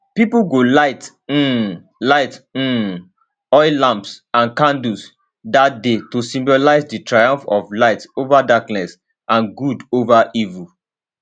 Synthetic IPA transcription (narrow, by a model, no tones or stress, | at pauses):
pipuɡolaɪt̩ | laɪt̩ | ɔɪlãmpsãnkãndus | dat̚detosĩmbolaɪsditɹajãɱfɔvlaɪtovadaknɛs | ʔãnɡudovaʔivu